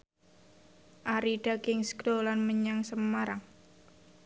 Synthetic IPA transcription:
ʔaɾiɖ̥akɪŋskdolanməɲaŋsəmaɾaŋ

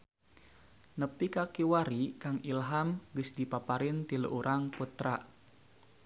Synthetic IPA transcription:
nəpikakiwaɾikaŋilɦamɡəsdipapaɾɪnt̪ilṵʔuɾʔaŋput̪ɾaʔ

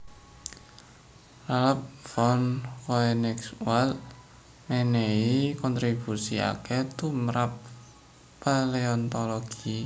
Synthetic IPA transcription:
raləp̚fɔnkɔɛnɛkswal | mɛneikɔnt̪ɾib̥usia̰kɛt̪umɾapː | aleɔnt̪ɔlɔɡ̥i

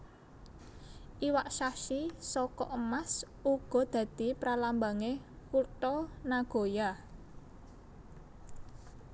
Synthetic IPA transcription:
ʔiwaʔʃaʃisɔkɔ̰ʔəmas | uɡ̥ɔ̤d̪̥ä̤d̪̥i̤pɾalambaŋekurt̪ɔnaɡ̥o̤ja

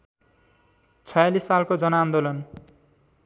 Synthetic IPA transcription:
t͡sʰɔjalisːalkod͡zʌnand̪olɔn

